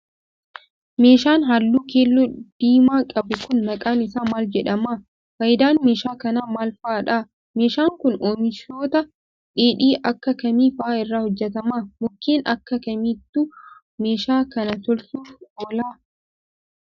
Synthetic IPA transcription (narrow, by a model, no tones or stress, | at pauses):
me̞ːʃaːnɦɐlːuːkeːlːɔd̪̥iːmaːkʼɐbʊkʊnːɐkʼaːnɪsaːmaːld͡ʒɛᶑɐmaː | fɐjɪd̪aːnmeːʃaːkɐnaːmaːlfɐʔːᶑaː | meːʃaːŋkʊnoːmɪʃoːt̪ɐ | ᶑeːᶑiːʔɐkːɐkɐmiːfɐʔaːɪrːaːhɔd͡ʒːɛt̪ɐmaːmʊkːeːnɐ̰kːɐkɐmiːt̪ːuː | me̞ːʃaːkɐnɐt̪ɔlsuːfɔːlaː